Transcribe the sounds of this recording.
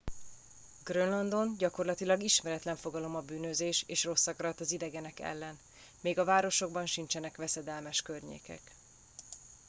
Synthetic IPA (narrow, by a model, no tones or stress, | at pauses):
ɡrønlɒnd̪o̞nɟɒko̞rlɒt̪ilɒɡiʃmɛɾɛt̪lɛɱfo̞ɡɒlo̞mɒbyːnøzeːʃeːʃro̞sːɒkɒɾɒt̪ɒzid̪ɛɡɛnɛkɛ̰lːɛn | meːɡɒvaːɾo̞ʃo̞ɡ̚bɒnʃint͡ʃɛnɛkʋɛsɛd̪ɛlmɛʃkørɲḛːkɛ̰k